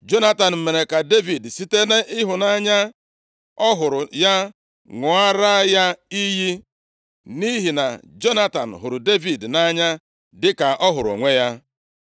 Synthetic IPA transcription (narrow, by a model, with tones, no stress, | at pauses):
d͡ʒo˦na˦ta˨n̩˨m̩˨me˨ne˨ka˨de˦vi˨dsi˦te˦ne˦ʔɪ˦ɦʊ˨na˦ɲa˦ | ɔ˦ɦʊ˨ɾʊ˨ja˦ | ŋʊ˨a˦ɾa˦ja˦i˦ji˦ | ni˦ɦi˨na˨d͡ʒo˦na˦ta˨n̩˨ɦʊ˨ɾʊ˨de˦vi˨dna˦ɲa˦ | dɪ˦ka˨ʔɔ˦ɦʊ˨ɾo̰˨ŋʷe˦ja˦